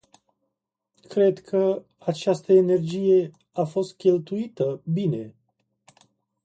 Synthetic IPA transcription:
kɾe̞d̪kʰə | at͡ʃast̪əene̞rd͡ʒije̞ | afo̞st̪̚kʲe̞lt̪uit̪əbine̞

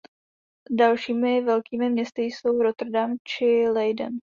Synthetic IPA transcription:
dalʃiːmɪvɛlkiːmɪmɲɛst̪ɪjso̞wɾot̪r̩damt͡ʃɪlɛjdə̰n

